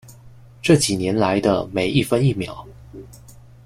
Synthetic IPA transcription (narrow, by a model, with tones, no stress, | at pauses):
ʈ͡ʂɤ˥˩t͡ɕi˨˩njɛ˧˥nla˧˥ɪd̪ə̰˧me˧˩ɪʔi˥˩fə˥ni˥˩mjɑ̰˨˩˦ʊ